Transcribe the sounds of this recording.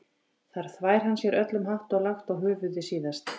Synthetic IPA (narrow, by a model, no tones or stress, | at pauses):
θaɾ̥θvaːjɾ̥ɦanːsjɛɾœt̪lʏmɦaht̪ɔɣlaxt̪ɔɣɦʏːvʏðɪsiːðast̪